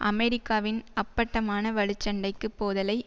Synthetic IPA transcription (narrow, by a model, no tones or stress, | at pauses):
ʔɐ̰mɛɾɪkːaːʋɪnɐpːɐʈːɐmaːnɐʋɐɻɯt͡ʃːɐɳɖɐɪkːɯpːoːðɐlɐɪ